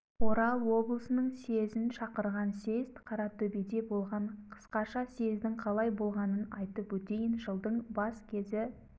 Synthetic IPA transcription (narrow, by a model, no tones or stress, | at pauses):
o̞ɾɑlˠwo̞blˠəsənəɴse̞zɪnʃɑqəɾʁɑnse̞zt̪qʰɑɾɑt̪ʰɵbed̪e̞bo̞lˠʁɑɴqʰə̥sqɑʃɑse̞zd̪ɪŋqʰɑlˠɑjbo̞lˠʁɑnənɑjt̪əpwɵt̪e̞jɪnʒəlˠd̪əɴbɑskʲʰe̞zɪ